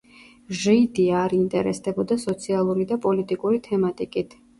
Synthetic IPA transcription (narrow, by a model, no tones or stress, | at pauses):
ʒɛid̪iaɾint̪ʼɛ̰ɾɛsd̪ɛbɔd̪asɔt̪sʰialˠuɾid̪apʼɔlit̪ʼikʼuɾit̪ʰɛmat̪ʼikʼit̪ʰ